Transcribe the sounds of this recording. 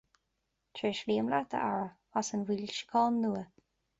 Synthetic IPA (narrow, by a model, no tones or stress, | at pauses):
t̪ʰɹeʃliːəmlat̪ʰə̰ʔa̰ɹəwasənwilʃə̥kʰɔːnːuːə